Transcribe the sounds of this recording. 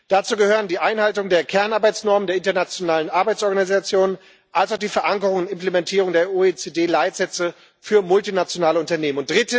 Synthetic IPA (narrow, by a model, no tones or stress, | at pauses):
d̥at͡suːɡəhøːʁ̞əndiːʔaɪnhaltʊŋdeːɐkʰɛɐnʔaɐbaɪt͡snɔɐməndeːɐɪntɐnat͡sjonaːlənʔaɐbaɪt͡sʔɔɐɡanizat͡sjoːnn | ʔalsaʊχd̥iːfɛɐʔaŋkəʁ̞ʊŋʊntɪmplemɛntʰiːʁʊŋdeːɐoeːt͡seːdeːlaɪtz̥ɛt͡sə | fyːɐmʊltinat͡sjonaːləʊntɐneːmənʊnt̚d̥ʁɪtə